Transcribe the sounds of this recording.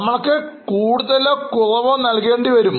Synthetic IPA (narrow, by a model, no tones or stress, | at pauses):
ɐmːɐɭkːɨkuːɽuðɐlokorɐʋonɐlke̞ːɳɖiʋɐɾum